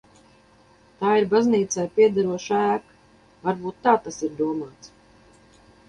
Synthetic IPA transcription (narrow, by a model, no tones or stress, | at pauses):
t̪aːiɾbazniːt̪sɛjpiɛd̪aɾuɔʃæːk | vaɾbuːt̪ːaːt̪asiɾd̪uɔmaːt̪s